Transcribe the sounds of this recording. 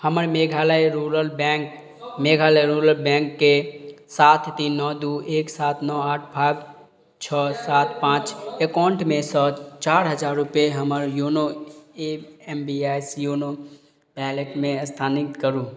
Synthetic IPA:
həməɾmeɡʱaləjɾuɾəlbk | meɡʱaləjɾuɾəlbɛ̃ŋkːesat̪ʰt̪ːiːnːɔd̪uʔeːksat̪ʰnɔːaːʈʰpʰajb | t͡ʃʰɔsaːt̪̚ʰpãːt͡ʃekɔɳʈmẽsɔt͡ʃaɾɦəd͡ʒaɾːupeɦəməɾjonoeembiajsjono | b̥ɛleʈmẽst̪ʰanit̪kəɾũ

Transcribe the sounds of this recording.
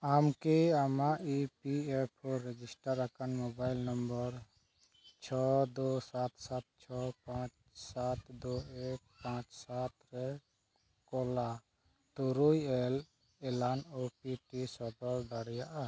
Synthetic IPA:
amkeamaʔipiɛpʰɔɾɛd͡ʒisʈaɾːakanmobajlnəmbəɾ | t͡ʃʰɔd̪osat̪sat̪̚t͡ʃʰɔpãt͡ʃ | sat̪d̪oek̚pãt͡ʃsat̪ɾɛ | kɔla | t̪uɾujɛl | ɛlanopiʈisɔd̪ɔld̪aɾjaʔa

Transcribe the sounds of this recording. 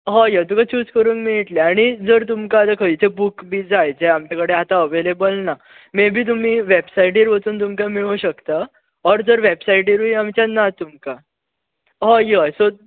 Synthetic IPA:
ɦãjət̪̬ukat͡ɕuːd͡zkəɾuːnkmiɭiʈleaɽ̃id͡zəɾt̪̬umkat̪əkʰəit͡sebukbʱiːd͡zajd͡zeamt͡ɕjakəɽeat̪aəʋelebəlna | mebʱiːt̪̬um̤iːʋebsaiʈ̬iːɾʋət̪uːnt̪̬umkamiɭuɕəkt̪a | ɔɾd͡zəɾʋebsaiʈiɾiamt͡ɕanːat̪umka | ɦãjəso

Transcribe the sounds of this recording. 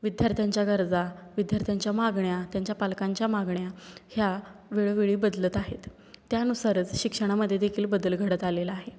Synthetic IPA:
ʋid̪jaɾt̪ʰjaɲt͡ɕjaɡəɾd͡zaʋid̪jaɾt̪ʰjaɲt͡ɕjamaɡɳjat̪jaɲt͡ɕjapalkaɲt͡ɕjamaɡɳjahjaʋeɭəʋiɭiːbəd̪lət̪aɦet̪ː | jaənusaɾət͡sɕikʂəɽ̃aməd̪ʱjed̪ekʰiːlbəd̪əlɡʱəɽət̪alelaːɦe

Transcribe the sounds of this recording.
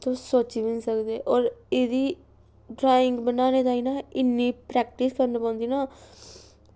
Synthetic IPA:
t̪õːsoːt͡ʃibɪnsəkd̪eːʔɔːɾeːd̪iː | ɖɾaːɪŋɡbənaːneːt̪aːiːnaːɪnːiːpɾɛːk̚ʈɪskəɾneːpãːnd̪iːnaː

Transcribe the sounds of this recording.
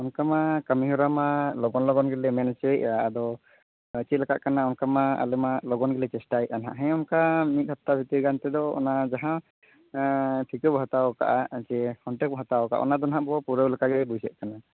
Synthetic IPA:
ɔnkamakəmiɦɔɾamalɔɡɔnlɔɡɔnɡɛlɛmɛnt͡ʃɛjad̪ɔ | ət͡ʃit̪̚lakaʔkanaɔnkamaa̰lɛmalɔɡɔnɡɛlɛt͡ʃɛsʈajanɦa̰ʔɦɛ̃ɔnkamit̪̚ˀhap̚t̪abʱit̪iɡant̪ɛd̪ɔɔ̰nad͡ʒaɦã | ʈʰikɯbɦɔt̪awka̰ʔad͡ʒɛhɔnʈɛk̚bɔɦɔt̪awka̰ʔɔ̰nad̪ɔnɦaʔbɔpuɾəwlɛkaɡɛbujsɛ̰ʔ̪̚kana

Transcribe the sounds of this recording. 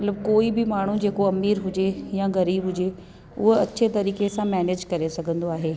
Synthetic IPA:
mɐt̪ləbkoːibɪmaːɳ̤ũd͡ʑeːkoɐmiːɾɦʊd͡ʑejãɣɐɾiːbɦʊd͡ʑe | ʊɦoɐtːɕʰet̪ɐɾiːkesãmɛːneːd͡ʑkɐɾesɐɡʱə̃nd̪oaːɦeː

